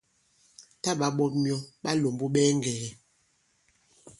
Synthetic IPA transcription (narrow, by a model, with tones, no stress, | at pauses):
ta˦ɓa˨ɓɔ˦p̚mjɔ˦ɓa˦lo˨mbu˦ɓɛː˦ŋ˨ɡɛ˨ɛ˨